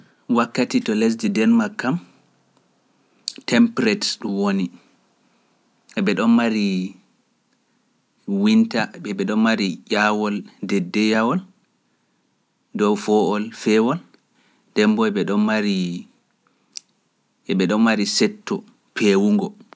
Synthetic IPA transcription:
wakːatitɔles̬didɛnmakːam | tɛmpɾɛtɗumwoni | ɛɓɛɗɔnmaɾi | wintaɓɛɓɛɗɔnmaɾijawɔldɛdːɛjawɔl | dɔwfɔɔlfɛwɔl | dɛmbɔɓɛɗɔnmaɾi | ɛɓɛɗɔnmaɾisɛtːɔ | pʰewuŋɡɔ

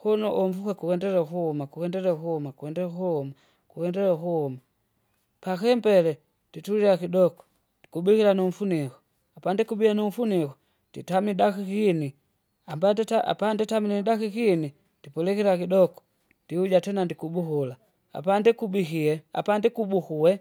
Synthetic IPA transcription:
hɔnɔʔɔɱvukɛkukɛndɛlɛkuhmakukɛndɛlɛkumakuhɛndɛɛkuɔma | kukɛndɛlɛkuhɔma | pakɛmbɛlɛ | d̥ituliakidɔkɔ̥ | nd̥ikubikilanuɱ̩funikɔ̥ | apandɛkubianuɱ̩funikɔ | d̥itamidakikini | ambadɛtaa̰pandɛtamilɛnidakikini | nd̥ipɔlɛkilakidɔkɔ̥ | nd̥iuɟatɛnandikubuhula | a̰pandɛkubikiɛa̰pandikubuhuwɛ

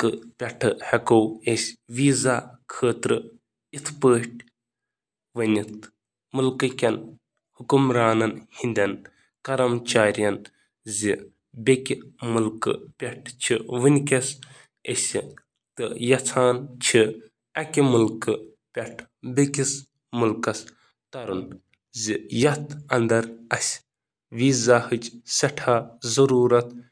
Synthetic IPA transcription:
kɨpʲɐʈʰɨhɐkowesʲʋiːzaːkʰəːt̪ɾɨ | it̪ʰpəːʈ̚ʰʲ | ʋɐnʲit̪ʰ | mulkɨkʲɐn | hukumɾaːnɐnhinʲd̪ʲɐn | kɐɾɐmt͡ʃaːɾʲjɐn | zi | bʲekʲimulkɨ̰pʲɐʈʰt͡ʃʰiʋɨnʲkɐs | ɐsʲi | t̪ɨjɐt͡sʰaːnt͡ʃʰi | ɐkʲimulkɨ | pʲeʈʰ | bʲekis | mulkɐs | t̪ɐɾun | zijɐt̪ɐnd̪ɐɾɐsʲ | ʋiːzaːhɨt͡ʃsɐʈʰaːzɐɾuːɾɐt̪

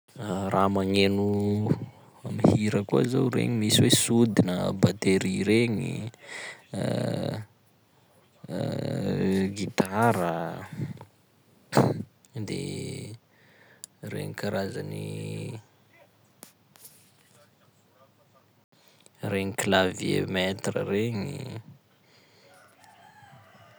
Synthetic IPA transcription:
ramaŋenu | amihiɾəkuaza̰wɾḛɲimisiwesud̪inəbat̪eɾiɾeɲḭ | ɡit̪aɾə | d̪ḛ | rḛŋikaɾazani | reŋiklaviḛmɛt̪rə̰reɲi

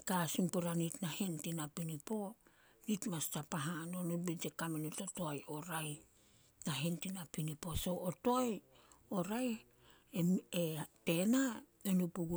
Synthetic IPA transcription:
kasinpuɾanitnahentinapinipo̞ | nitmastapaɦano̞nutbid͡ʒekamenutotoajo̞ɾaj | naɦentinapinipo̞sooto̞j | oɾaj | eete̞na | enupuɡu

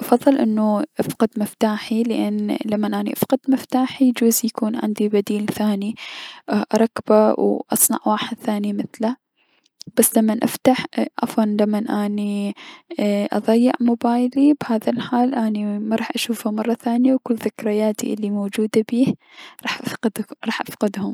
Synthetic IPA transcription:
ʔɑfɑðˤːɨlʔɪnːuʔafqɑd̪mɪft̪aːħilɪʔanlamːanʔaːnḭʔa̰fqɑd̪mɪft̪aːħijad͡ʒuːzjakuːnʕɪ̰nd̪ibad̪iːlθaːni | ʔɑɾˤɑkːbawʔɑsˤnɑ̰ʕwaːħɪd̪θaːnimɪθla | b̥asːlamːanʔa̰ft̪aħʔɑ̰fðɑnlamːanʔaːni | ʔɑ̰ðˤɑjːɪʕmʊbaːjlib̥haːðalħaːlʔaːnimɑɾˤɑːħʔaʃuːfamɑrˤːɑθaːnjawkʊlːθɪkɾɪjaːt̪ḭʔɪlːimowd͡ʒuːd̪abiːh | ɾˤɑːħʔad̪ɾˤɑːħʔafqɪd̪hʊm

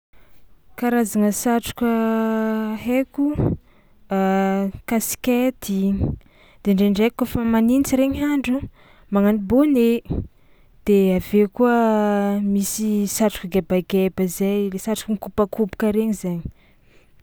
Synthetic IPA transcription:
kaɾazaŋəsaʈ͡ʂu̥kə | ɦeku | kasi̥ket̪i | d̪̥eɳɖ͡ʐeɳɖ͡ʐekkːafamaninit͡siɾeɲiɦaɳɖ͡ʐu | maŋanibone | d̪̥eavekuə | misisaʈ͡ʂu̥kəɡabaɡebəzajlesaʈ͡ʂḁkəŋikupakʰupu̥kəɾeɲizaɲi̥

